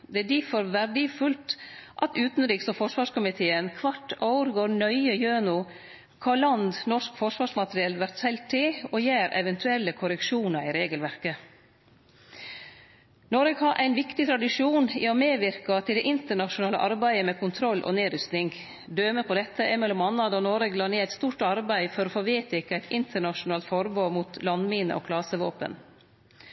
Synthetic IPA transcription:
d̪ɛæɖifɔɾʋæɾɖɪfʉlt̪ʔɑt̪ʉːt̪n̩ɾiːksɔfɔʂʋɑːʂkʊmɪt̪ʰeːənkʰʋɑʈːɑʊɾɡoːɾɳœʏəjøːnʊ | kʰɑlɑnd̪nɔʂkfɔʂʋɑːʂmɑt̪ɾɪɛlʋæɾt̪sɛlt̪ʰːɪɔjæːɾɛ̰ʋɛnt̪ʰʉɛlːəkʰʊɾəkʃuːnɑɾɪɾeːɡəlʋæɾkə | nɔːɾəɡhɑɾʔæ̰ɪnʋɪkt̪ɪt̪ʰɾɑd̪ɪʂuːnḭːɔmeːʋɪɾkɑt̪ʰɪlɛːʔɪnt̪əɳɑʂʊnɑːlə̰ʔɑɾbæɪəmɛkʰʊnt̪ʰɾɔlːʔɔ̰neːɾʏst̪nɪŋɡ | d̪øːməpʰɔd̪ɛt̪ʰːəʔɛmɛlːɔmɑːnɑːd̪əɔnoːɾəɡlɑːɳeːæɪt̪st̪uːʈɑɾbæɪfɔɾɔːfoːʋeːt̪ɪkæɪt̪ʰɪnt̪əɳɑʃʊnɑːlt̪fɔɾboːmuːt̪lɑnmiːnə̰ʔɔ̰ːkʰlɑːsəʋoːpə̰n

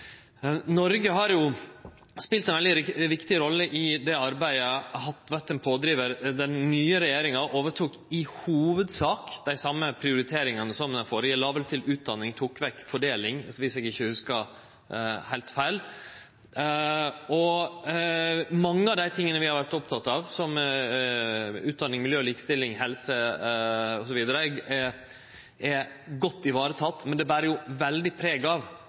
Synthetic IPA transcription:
nɔɾɡəɦɑɾjʊ | spɪlt̪ɛnʋɛld̪ɪɾʋɪkt̪ɪɾɔlːəʔɪd̪ɛɑɾbæɪəhɑt̪ːʋæt̪ənpʰoːd̪ɾiːʋəɾd̪ɛnnyːəɾɛjeːɾɪŋɑʔoːʋəʈʰuːkɪhuːʋəd̪sɑːkd̪̥æɪsɑmːəpʰɾɪʊɾɪt̪ʰeːɾɪŋɑnəsɔmd̪ɛfoːɾɪɛlɑːʋəlt̪ʰɪlʉːt̪̚d̪ɑnːɪŋt̪ʰuːkʋɛkːfɔɖeːlɪŋʋɪsɛːɡɪçːəhʉskɑ | hæɪlt̪fæɪl | ɔ | mɑŋːəɑʋd̪æɪt̪ʰɪŋːənəʋɪhɑɾʋæɾʈt̪ɔp̚t̪ʰɑt̪ːɑʋsɔm | ʉːt̪̚d̪ɑnːɪŋmɪljøːliːkst̪ɪlːɪŋɦɛlsə | ɔsɔʋiːd̪əɾəɛɛ | ʔɛ | ɡɔt̪ːɪʋɑːɾət̪ʰɑt̪ːmɛnd̪ɛbæːɾəjʊʋɛld̪ɪpʰɾeːɡɑʋ

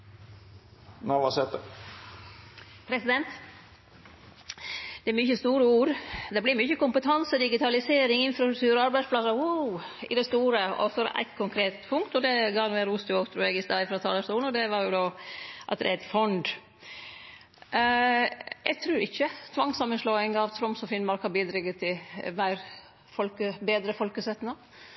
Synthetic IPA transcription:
naʋɑsɛt̪ːə | pʰɾɛsɪd̪ɛnt̪ | d̪̥ɛæɾmʏçəst̪uːɾəuːɾd̪ɛblɪɾmʏçəkʊmpət̪ʰɑnsəd̪ɪɡɪt̪ʰɑlɪseːɾɪŋɪnfɾɑst̪ɾʉkt̪ʰʉːɾɔɑɾbæɪspʰlɑsɑuɪ̰d̪ɛst̪uːɾəɔ̰fɔɾæ̰ɪt̪kʰʊŋkʰɾeːt̪pʰʊŋkt̪ɔd̪ɛɡɑːnɛɾuːst̪ʰɪoːɡt̪ʰɾʉːɛɡɪst̪ɑːɪfɾɑt̪ʰɑːləskuːln̩ɔd̪ɛʋɑɾjʊd̪oːʔɑ̰t̪̚d̪ɛ̰ɾæɪt̪fɔnd̪ | jæ̰ɡt̪ʰɾʉːɾɪçːət̪ʰʋɑŋsɑmənslɔːɪŋɑʋt̪ʰɾɔmsɔfɪnmɑɾkhɑbiːd̪ɾɪɡːət̪ʰːɪlmæɪɾ | fɔlkəbeːd̪ɾəfɔlkəsɛt̪nɑ

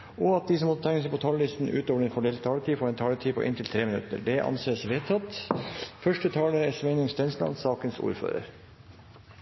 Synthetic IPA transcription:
ɔɑt̪̚d̪isɔmɔt̪ːt̪ʰɛŋəsəpʰɔt̪ʰɑllɪst̪n̩ʉ̰ːt̪oːʋəɖɛnkʰɔɖɛlət̪ʰɑːləʈ̪ʰiːfɔɾɛːnt̪ʰɑːləʈ̪ʰiːpʰo̰ʔɪ̰nt̪ʰɪlt̪ʰɾeːmɪnʉ̰t̪ə̰ɖɛʔɑ̰nseːsʋeːt̪ʰɑt̪fœʂʈət̪ʰɑːləɛsmɛɪnɪŋst̪ɛnslɑ̰nsɑːkənsṵːɾfø̰ːɾə̰ɾ

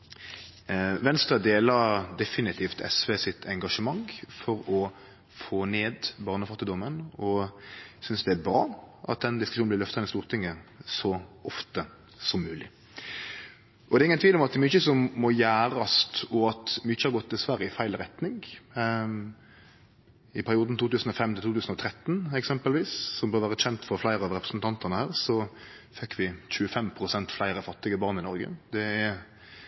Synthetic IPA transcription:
ʋɛnst̪ɾɑd̪eːlɑɾd̪ɛfɪnɪt̪ʰiːft̪ʰɛ̰sʋeːsɪt̪ʰɛŋɡɑʂəmɑŋfɔɾɔ | foːneːd̪bɑːʁnəfɑt̪ːɪd̪ɔmːənɔsʏnsd̪ɛæbɾɑːʔɑ̰t̪̚d̪ɛnd̪ɪskʉʃuːnblɪɾlœft̪ɑɛnɪst̪uːʁt̪ʰɪŋːəsɔʔɔft̪ə | sɔmːʉːlɪ̰ | ʔɔd̪ɛɾɪŋːənt̪ʰʋiːlɔmɑt̪d̪ɛɾmyːçəsɔmːɔjæːɾɑst̪ɔɑt̪myːçəhɑɾɡɔt̪ːɪlsʋæɾjəɪfæɪlɾɛt̪nɪŋ | ɪpʰæɾɪuːd̪n̩t̪uːt̪ʉːsn̩ɔfɛmːt̪ɪlt̪uːt̪ʉːsən̩ɔt̪ʰɾɛt̪ːnɛksɛmpəlʋiːssɔmbøːɾʁʋæːɾəc͡çɛnt̪fɔɾflæɪɾəɑʋɾɛpɾəsnt̪ʰɑnt̪ɑʁnəhæːʁsɔ | fɛkːʋɪçʉəfɛmpʰɾʊsɛnt̪flæɪɾəfɑt̪ːɪɡəbɑʁnɪnɔɾɡə̰d̪ɛæ

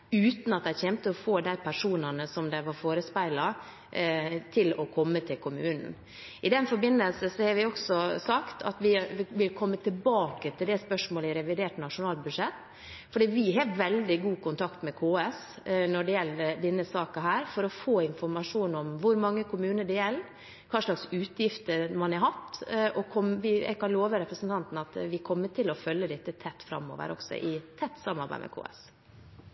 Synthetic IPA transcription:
ʉːt̪n̩ɑt̪̚d̪æɪçɛmt̪əɔfoːd̪æɪpʰæʂuːnɑnəsɔmd̪æɪʋɑɾfoːɾəspæɪlɑ | t̪ʰɪlɔkʰɔmːət̪ʰɪlkʰʊmʉːnn̩ | ɪd̪ɛnfɔɾbɪnːəlsəsɔhɑɾʋɪɔksɔsɑkt̪ʰɑ̰t̪ʋɪʋɪlkʰɔmːət̪ʰɪlbɑːkət̪ʰɪld̪ɛspœʂmoːləɪɾɛʋɪd̪eːʈnɑʂʊnɑːlbʉd̪ʂɛt̪ː | fɔɖiːʋɪɦɑːʋɛld̪ɪɡuːkʰʊnt̪ʰɑkt̪mɛkʰoːɛs | nɔɖɛjɛlːəɾd̪ɛnːəsɑːkɑɦæːɾfɔɾɔfoːɪnfɔɾmɑʂuːnɔmʋʊɾmɑŋːəkʰʊmʉːnəɖɛælː | kʰɑːʂɭɑksʉːt̪jɪft̪əɾmɑnɛɦɑt̪ʔɔkʰɔmʋɪɛ̰ɡkʰɑnloːʋəɾɛpɾəsənt̪ɑnt̪n̩ɑt̪ʋɪkʰɔmːəʈɪlɔfœlːəd̪ɛt̪ːət̪ʰɛt̪ːfɾɑ̰mːo̰ːʋə̰ɾʔɔ̰ɡsɔ̰ʔɪt̪ʰɛt̪ːsɑmːɑɾbæ̰ɪmɛ̰kʰo̰ːɛ̰s

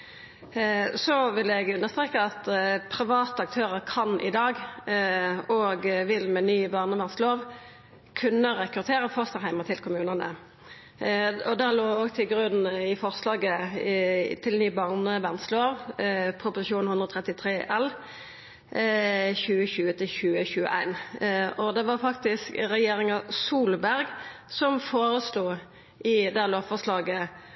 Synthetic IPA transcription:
sɔʋɪlɛɡʉnːəʁst̪ʁeːkəɑt̪pʰʁɪʋɑːt̪əɑk̚t̪ʰøːʁəʁkʰɑnʔɪ̰d̪ɑːɡ | oːɡʋɪlmɛnyːbɑːʁnəbæʁnsloːʋ | kʰʉnːəʁɛkʁʉʁt̪ʰeːʁəfɔst̪əʁhæɪmət̪ʰɪlkʰʊmʉːnənə̰ | ɔd̪æloːoːɡt̪ʰɪlɡʁʉnɪfɔʁslɑːɡə | t̪ʰɪlnyːbɑʁnəbɛnsloːʋpʰʁʊpʊsɪʃuːnhʉnd̪ʁɔt̪ʰʁɛt̪ɪt̪ʰʁeːʔɛl | çʉːəçʉːət̪ʰɪlɕʉːəçʉːə̰ʔæ̰ɪnɔd̪ɛʋɑʁfɑk̚t̪ɪskʁɛjeːɾɪŋɑsuːlbæɾɡ | sɔmfoːɾəsluː | ʔɪd̪æloːʋfɔʁslɑːɡə

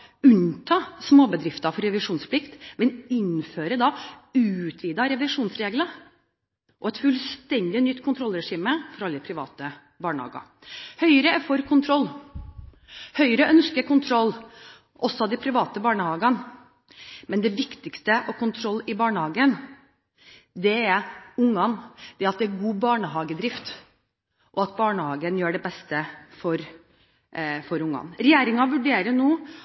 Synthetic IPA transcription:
ʉnt̪ʰɑːsmoːbəd̪ɾɪft̪ɑfɔɾɾɛʋɪʂuːnspʰlɪkt̪mɛnɪnføːɾəd̪ɑʉːt̪ʰʋiːd̪ɑɾɛʋɪʂuːnsɾeːɡlɑ | ʔɔɛt̪fʉlst̪ɛnd̪ɪɔnʏt̪ːkʰʊnt̪ɾɔlːɾɛʂiːməfɔɾɑlːəəpʰɾɪʋɑ̰ːt̪ə | bɑːɳəhɑ̰ːɡɑ̰ | hœʏɾəæɾfɔɾkʰʊnt̪ʰɾɔlː | hœʏɾəʔœnskəɾkʊnt̪ʰɾɔlː | ʔɔsːɔɑd̪ɪpʰɾɪʋɑːt̪əbɑːɳəhɑːɡɑn | mɛnd̪ɛʋɪkt̪ɪkst̪əʔɔkʰʊnt̪ʰɾɔlːɪbɑːɳəhɑːɡən | d̪ɛæʊŋːɑnd̪̥ɛɾɑt̪̚d̪ɛæɾɡuːbɑːɳəɦɑːɡəd̪ɾɪft̪ | ʔɔɑt̪̚bɑːɳəhɑːɡənjøːɖɛbɛst̪əfɔɾ | fɔɾʊŋːɑ̰nɾɛjeːɾɪŋɑʋʉɖeːɾənuː

